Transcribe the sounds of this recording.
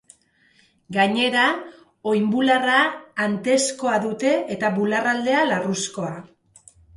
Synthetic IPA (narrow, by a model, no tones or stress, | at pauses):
ɡaɲe̞ɾa | o̞jmbularaːnt̪e̞sko̞aðut̪e̞et̪aβularald̪e̞alarusko̞a